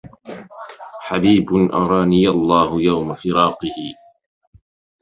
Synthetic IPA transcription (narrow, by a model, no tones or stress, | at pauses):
ħabiːbʊnʔɑɾˤɑːnɪjalˤːɑːhʊjawmafɪɾɑːqɨhɪ